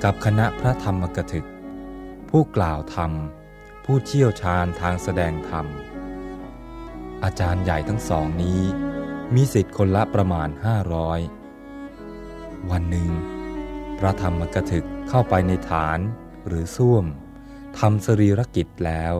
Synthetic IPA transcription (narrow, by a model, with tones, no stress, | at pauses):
ka˨˩p̚kʰa˧na˦˥pʰɾa˦˥t̪ʰa˧mːa˧ka˧t̪ʰɯ˨˩k̚pʰuː˥˩klaː˨˩wt̪ʰa˧m | pʰuː˥˩t̪ʰi˥˩əwt͡ɕʰaː˧nt̪ʰaː˧ŋsa˧dɛː˧ŋt̪ʰa˧m | ʔaː˧t͡ɕaː˧nja˨˩jt̪ʰa˦˥ŋsɔː˩˦ŋniː˦˥miː˧si˨˩t̪̚kʰo˧nla˦˥pɾa˧maː˧nhaː˥˩ɾɔː˦˥j | wa˧nːɯ˨˩ŋ | pʰɾa˦˥t̪ʰa˧mːa˧ka˧t̪ʰɯ˨˩kʰːa˥˩wpa˧jna˧jt̪ʰaː˩˦n | ɾɯː˩˦su˥˩əm | t̪ʰa˧msa˧ɾiː˧ɾa˦˥ki˨˩t̪̚lɛː˦˥w